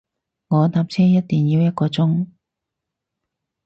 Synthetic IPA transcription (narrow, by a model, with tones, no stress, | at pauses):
ŋɔː˨˧t̪aː˧p̚t͡sʰɛː˥jɐ˥t̚t̪iː˨njiː˨˧wjɐ˥t̚kɔː˧t͡sʊ˥ŋ